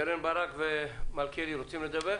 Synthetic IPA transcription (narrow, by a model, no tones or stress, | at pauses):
eɾenbaɾakvemalkʰeɾiɾot͡simled̪abe